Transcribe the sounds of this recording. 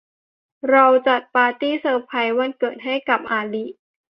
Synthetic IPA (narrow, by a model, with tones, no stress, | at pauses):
ɾa˧wt͡ɕa˨˩t̪̚paː˧t̪iː˥˩sɤː˧pʰa˧jwa˧˥nkɤː˨˩t̪̚ɦa˥˩jka˨˩p̚ʔaː˧li˦˥ʔ